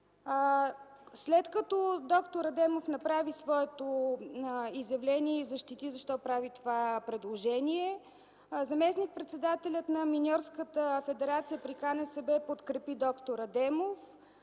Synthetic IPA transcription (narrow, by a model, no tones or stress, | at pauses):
slɛt̪kət̪ɔd̪ɔkt̪oɾɐd̪ɛmofnɐpɾavisvɔɛt̪o | izjɐvlɛniɛizɐʃt̪it̪izɐʃt̪ɔpɾavit̪ovapɾɛd̪lˠoʒɛniɛ | zɐmɛsnik̚pɾɛt̪sɛd̪at̪ɛlʲət̪nɐminʲɔɾskət̪əfɛd̪ɛɾat̪sijəpɾikanɛsɛbɛpot̪kɾɛpid̪ɔkt̪oɾɐd̪ɛmof